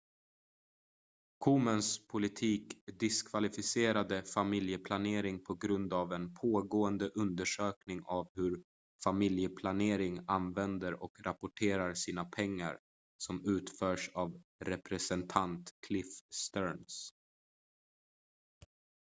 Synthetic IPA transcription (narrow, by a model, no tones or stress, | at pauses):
kʰumənspʰʊlɪt̪ʰiːkd̪ɪskʰvalɪfɪseːɾad̪əfamɪljəpʰlaneːɾɪŋpʰɔɡɾɵnd̪avɛnpʰoːɡoːənd̪əʔɵnd̪əʂøːknɪŋavhɵɾ | famɪljəpʰlaneːɾɪŋanvɛnd̪əɾɔ̰kɾapʊʈʰeːɾaɾsiːnapʰɛŋːa̰ɾ | sɔmʉ̟ːt̪fœːʂavɾɛpɾɛsɛnt̪ʰant̪kʰlɪfst̪œɾns